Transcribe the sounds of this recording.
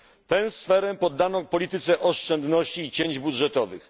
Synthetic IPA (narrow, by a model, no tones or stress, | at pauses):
t̪ɛwsfɛɾɛpɔd̪ːanɔ̃pɔlʲit̪ɘt̪sɛʔɔʂt͡ʂɛnd̪nɔɕt͡ɕiːt͡ɕeɲd͡ʑbudʐɛt̪ɔvɘ̰x